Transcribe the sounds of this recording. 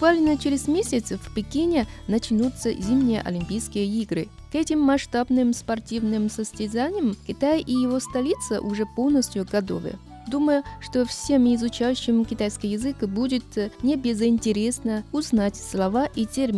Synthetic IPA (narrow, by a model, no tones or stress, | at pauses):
bʊkvalʲnət͡ɕɪɾʲɪzʲmʲesʲɪt̪svpʲɪkʲinʲɪnɐt͡ɕnut̪səzʲimnʲɪjə̰ʔɐ̰lʲɪmʲpʲijskʲɪjəiɡɾɨ | kɛtʲɪmːɐʂt̪abnɨmspɐrtʲivnɨmsəsʲtʲɪzanʲɪjəmkʲɪt̪ajʔijɪvo̞st̪ɐlʲit̪sə̰ʔʊʐɛpo̞lˠnəsʲt̪ʲjʊɡɐd̪o̰və̰jə̰ | d̪uməjʊʂt̪o̞fsʲe̞mɪzʊt͡ɕajʉɕːɪmkʲɪt̪ajskəjɪzɨkəbudʲɪt̪nʲɪbʲɪzɪnʲtʲɪɾʲe̞snəʊznatʲslˠɐvaʔitʲermʲ